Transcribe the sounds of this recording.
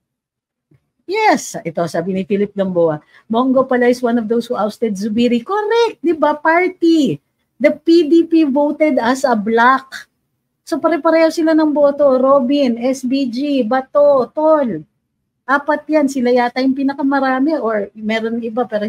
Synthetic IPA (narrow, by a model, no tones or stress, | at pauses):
jɛsʔɛt̪o̞saːbɪnɪfilɪp̚d̪ɐmboʔa | moŋɡo̞pɐlaɪswanɔvd̪owshuʔawst̪ɛd̪sʊbiɾikoɾɛk̚t̪̚d̪ɪbapaɹt̪i | d̪ɐpid̪ipivowt̪ɛd̪ɐsɐblak̚ | sopɐɾɛpɐɾɛːhosɪlanɐŋboːt̪oɾobɪnɛsbid͡ʒibɐt̪ot̪ol | ʔaːpɐt̪̚jansɪlɐjaːt̪ajʊŋpiːnɐkɐmɐɾaːmɛʔoɹmɛːɾonɪbapɛːɾo